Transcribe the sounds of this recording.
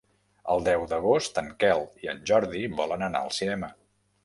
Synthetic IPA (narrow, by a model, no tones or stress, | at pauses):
ə̰lˠd̪ɛwd̪əɣ̞ost̪əŋkɛlˠiə̰nʲʒɔɾðiβɔlənəna̰əlˠsinɛmə